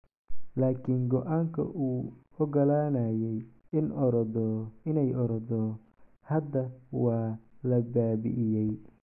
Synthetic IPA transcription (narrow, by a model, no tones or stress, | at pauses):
laːkʰiːŋɡɔʔaːŋkʰɐ̰ʔuː | ɔɡɐlaːnaːjɛj | ɪnɾd̪ɪnɛjɔɾɐd̪ɔ | hɐd̪ːɐwɑːlɐbaːbɪ̰ʔɪjɛj